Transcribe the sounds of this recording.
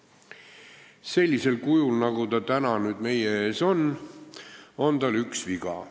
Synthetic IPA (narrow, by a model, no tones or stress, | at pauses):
se̞lʲːise̞lkujulnɑɡ̥ut̪ɑt̪ænɑnyːd̪̥me̞jee̞ːso̞n | o̞nt̪ɑlyksviɡ̥ɑ̰